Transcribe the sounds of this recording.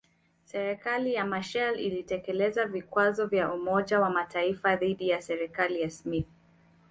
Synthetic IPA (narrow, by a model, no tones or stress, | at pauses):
sɛɾɛkalijamaʃɛlḭlitɛkɛlɛzavikwazɔvjaumɔʄawamataifaðiɗijasɛɾɛkalijasmiθ